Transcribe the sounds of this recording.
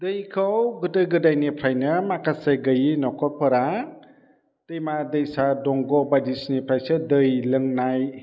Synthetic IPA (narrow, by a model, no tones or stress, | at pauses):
dɯjkʰawɡɯtɯɡɯdajnipʰɾajnɯmakaseɡɯjinɔkʰɔpʰɯɾa | tɯjmadɯjsadɔŋɡɔbadisnipʰɾajsɯdɯjlɯŋnaj